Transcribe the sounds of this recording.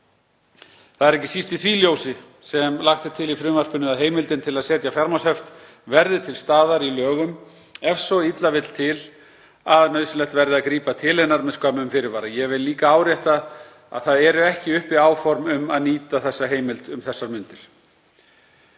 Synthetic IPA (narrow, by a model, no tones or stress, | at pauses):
θaðɛɾɛhcːɪ̥sist̪ɪθviːljoːwsɪ | sɛmlaxt̪ɪ̥t̪ʰɪlifɾʏːmvar̥pʏnːʏaðɦeːjmɪlt̪ɪnt̪ʰɪlaðsɛːt̪jafjaɾmashɛft̪ | vɛɾðɪt̪ʰɪlst̪aːðaɾilœːɣʏm | ɛfsɔit̪lavɪt̪l̥t̪ʰɪl | aðnœðsʏlɛxt̪vɛɾðɪaðkɾiːpat̪ʰɪlɛnːaɾmɛðskaːmʏmfɪɾɪɾvaːɾajɛvɪllːiːkaaːwɾjɛjht̪a | a̰ðθaðɛɾʏɛhcɪʏhpɪaːwfɔɾmʏmaðniːt̪aθɛsːaɦeːjmɪlt̪ʏmθɛsːaɾmʏnt̪ɪɾ̥